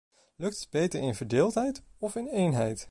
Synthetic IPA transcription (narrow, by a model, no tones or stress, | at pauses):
lɵk̚təd̚bejtəɹɪnvəɹdɪːlˠtɦɛjtɔfɪnejnɦɛjt